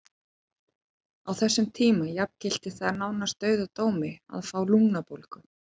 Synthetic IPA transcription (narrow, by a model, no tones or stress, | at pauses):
awθɛsːʏmt̪ʰiːmajapcɪl̥t̪ɪθaðaɾnawnast̪œːɥðat̪oːwmɪa̰ðfaːwluŋnapolkʏ